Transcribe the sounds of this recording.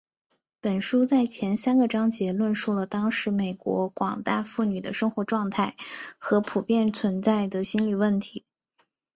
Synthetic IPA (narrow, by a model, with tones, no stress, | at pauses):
pə˨˩nʂu˥t͡sa˥˩ɪt͡ɕʰjɛ˧˥nsa˥nɡə˨˧ʈ͡ʂɑ˥ŋt͡ɕjɛ˧˥lwə˥˧nʂu˥˩lə˩t̪ɑ˥ŋʂɻ̩˧˥me˨˩ɪkwɔ̰˧˥kwɑ˨˩ŋt̪a˥˧fu˥˩ny˨˩d̪ə˦ʂɤ˥ŋxwɔ˧˥ʈ͡ʂwɑ˥˧ŋt̪ʰa˥˩ɪxɤ˧˥pʰu˨˩pjɛ˥˩nt͡sʰwə˧˥nt͡sa˥˩ɪd̪ə˩ɕi˥nli˨˩wə˥˩nt̪ʰi˧˥